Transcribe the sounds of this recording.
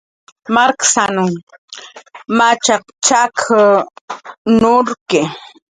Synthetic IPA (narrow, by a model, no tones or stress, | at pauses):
maɾksanʊŋ | mat͡ʃaq | t͡ʃakʰa | nʊɾkɪ